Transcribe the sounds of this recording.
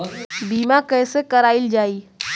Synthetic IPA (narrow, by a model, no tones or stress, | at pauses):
biːmakɛːsekɐɾaːɪld͡ʒaːiː